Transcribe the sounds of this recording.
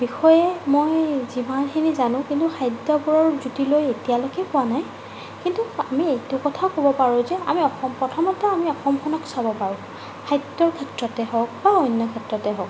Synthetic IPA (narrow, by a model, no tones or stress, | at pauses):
bixɔjɛmojzimanxʰinizanʊ̃kintuxʰajdɔbɔɹɔɹzutilojetijalokɛpʊwanaj | kintuamietukɔtʰakobɔpaɹʊ̃zɛa̰miɔxɔmpɹɔtʰɔmɔtɛamiɔxɔmkʰɔnɔksabɔpaɹʊ̃ | kʰajdɔɹkʰɛtɹɔtɛɦɔk̚baɔjnːɔkʰɛtɹɔtɛɦɔk